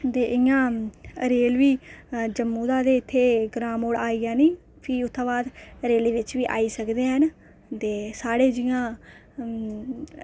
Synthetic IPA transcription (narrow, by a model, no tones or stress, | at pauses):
t̪eːʔɪjãːɾeːlʋiːd͡ʒəmːũːd̪ãːd̪eːɪt̪ʰːeːɡɾaːmoːɽaːiːaːniː | pʰiːʊt̪ʰːãːʋaːd̪əɾeːleːʋɪt͡ʃʋiːʔa̰ːiːsəkd̪eːɦən | t̪eːsaːɽeːd͡ʒɪjãː